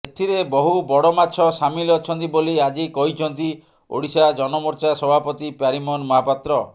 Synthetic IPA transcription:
et̪ʰiɾebɔɦubɔɽɔmat̪ːʃʰɔsamilɔt͡ʃʰɔnt̪iboliad͡ʒikɔɦit͡ʃʰɔnt̪i | o̰ɽisad͡ʒɔnɔmɔɾt͡ʃasɔbʱapɔt̪ipaɾimɔnmɔɦapat̪ɾɔ

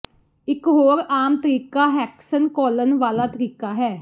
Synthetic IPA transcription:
ɪkɦoːɾaːmt̪əɾiːkaːɦɛːksənkɔːlənʋaːlaːt̪əɾiːkaːɦɛː

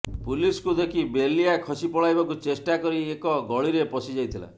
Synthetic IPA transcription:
puliskud̪ekʰibelijakʰɔsipɔɭajbakut͡ʃesʈakɔɾiekɔɡɔɭiɾepɔsid͡ʒajt̪ʰila̰

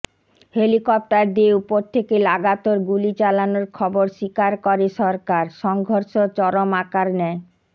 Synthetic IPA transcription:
helikɔp̚ʈaɾd̪ieupoɾt̪ʰekelaɡat̪oɾɡulit͡ɕalanoɾkʰɔboɾʃikaɾkɔɾeʃɔɾkaɾʃɔŋɡʱoɾʃot͡ɕɔɾomakaɾnɛ

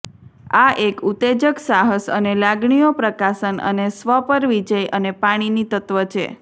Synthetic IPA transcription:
aʔekut̪ed͡ʒəksaɦəsə̰nelaɡɳijopɾəkasənə̰nesʋəpəɾʋid͡ʒəjʔənepaɽ̃init̪ət̪ʋət͡ʃʰḛ

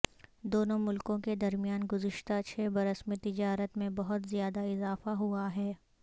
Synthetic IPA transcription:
d̪oːnõmʊlkõked̪ɐɾmijaːnɡʊzɪʃt̪at͡ʃʰɛːbɐɾəsmẽt̪ɪd͡ʒaːɾət̪mẽbɐɦʊt̪zijaːd̪aɪzaːfaɦuaɦɛː

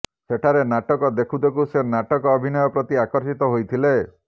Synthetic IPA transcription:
seʈʰaɾenaʈɔkɔd̪ekʰud̪ekusenaʈɔkɔːbʱinɔjɔpɾɔt̪iakɔɾsit̪ɔɦojt̪ʰile

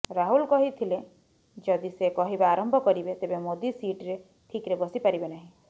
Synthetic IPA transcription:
ɾaɦulkɔɦit̪ʰile | d͡ʒɔd̪isekɔɦibaaɾɔmbʱɔkɔɾibet̪ebemod̪isiʈɾe | ʈʰikɾebɔsipaɾibenaɦĩ

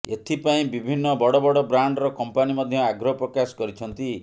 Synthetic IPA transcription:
et̪ʰipaĩbibʱinːɔbɔɽɔbɔɽɔbɾaɳɖɾɔkɔmpanimɔd̪ʱjɔaɡɾɔpɾɔkasɔ̥kɔɾit͡ʃʰɔnt̪i

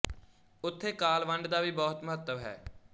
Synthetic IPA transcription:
ʊt̪ʰːeːkaːlʋəɳɖd̪aːʋiːbɔːt̪mʊɦət̪ːəʋɦɛ̰ː

